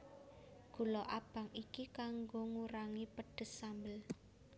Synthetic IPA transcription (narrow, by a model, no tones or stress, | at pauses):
ɡ̥ṳlɔʔab̥ä̤ŋikikaŋɡoŋuɾaŋipəɖ̥ə̤sːambəl